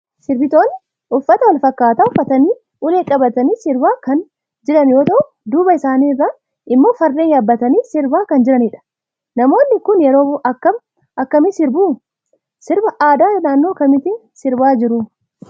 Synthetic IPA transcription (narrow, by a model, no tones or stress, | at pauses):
sɪɾbɪt̪o̞ːn | ʔʊfːɐt̪ɐwɐlfɐkːaːt̪aːʊfːɐt̪ɐniː | ʊleːkʼɐbɐt̪ɐniːsɪɾbaːkɐn | d͡ʒɪɾɐnjo̞ːt̪ɐʔʊʊd̪uːbɐɪsaːniːrːaː | ʔɪmːo̞ːfɐrːeːnjaːbːɐt̪ɐniːsɪɾbaːkɐnd͡ʒɪɾɐniᶑɐ̥ | nɐmo̞ːnːɪkʊnjɛɾo̞ːʔɐkːɐm | ʔɐkːɐmɪsɪɾbuː | sɪɾbɐʔaːd̪aːnaːnːoːkːɐmɪt̪ɪn | sɪɾbaːd͡ʒɪɾʊ